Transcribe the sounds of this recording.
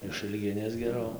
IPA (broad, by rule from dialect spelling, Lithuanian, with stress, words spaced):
ɪʃɨlʲˈɡʲɪnʲeːs ɡʲɛˈrɐʊ